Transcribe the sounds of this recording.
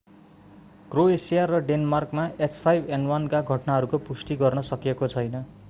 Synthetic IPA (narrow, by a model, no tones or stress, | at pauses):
ɡ̥roesijarːʌɖenmarkmaet͡spʰajbʱenwʌnkaɡʱʌʈnaɦʌɾukopusʈiɡʌrnʌsʌkijekot͡sʰʌjnʌ